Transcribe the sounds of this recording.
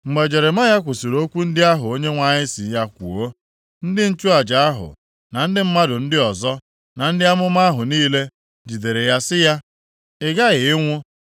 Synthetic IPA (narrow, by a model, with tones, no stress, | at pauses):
ŋ͡m̩˨ɡ͡be˨d͡ʒe˨ɾe˨m˦a˦ja˦kʷʊ˨si˨ɾo˦kʷu˦n̩˦dɪ˦a˦ɦʊ˨o˦ɲe˦ŋʷa˨ɲɪ˦si˨˦ja˦kʷṵ˨o˦ | n̩˦dɪ˦n̩˦t͡ʃu˦a˨d͡ʒa˨a˦ɦʊ̰˨ | na˨n̩˦dɪ˦m̩˦ma˦dʊ˨n̩˦dɪ˦ɔ˨zɔ˦ | na˨n̩˦dɪ˦a˦mʊ˦ma˦ɦʊ˨niː˦le˦ | d͡ʒi˨de˨ɾe˨ja˦sɪ˦ja˦ | ɪ˦ɡa˦ɣɪ˨ɪ˦ŋʷʊ˦